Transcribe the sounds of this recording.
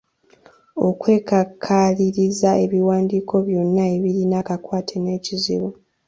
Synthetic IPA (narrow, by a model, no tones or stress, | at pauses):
o̞̰kwe̞ːkakʰaliɾizae̞βiwaːndiːkʰo̞βjo̞nːae̞βiɾinakakwaːtʰene̞ːcizḭβu